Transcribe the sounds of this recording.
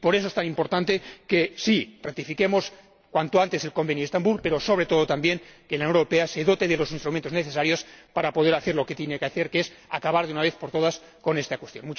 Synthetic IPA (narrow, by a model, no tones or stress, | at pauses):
po̞ɾe̞s̬oe̞st̪animpo̞ɾt̪ant̪e̞ke̞sirat̪ifike̞mo̞s | kwant̪oant̪ese̞lko̞mbe̞njoest̪ambulpe̞ɾo̞so̞β̞ɾe̞t̪oðo̞t̪ambje̞ŋkelannoɾope̞ase̞ðo̞t̪e̞ðe̞lo̞sinst̪ɾument̪ozneθe̞saɾjo̞spaɾapo̞ðe̞ɾaθe̞ɾlo̞ke̞t̪jene̞keaθe̞ɾke̞sa̰kaβaɾðeunaβ̞e̞θpo̞ɾt̪o̞ð̞as | ko̞nest̪akwe̞st̪jo̞̰nmut͡ʃ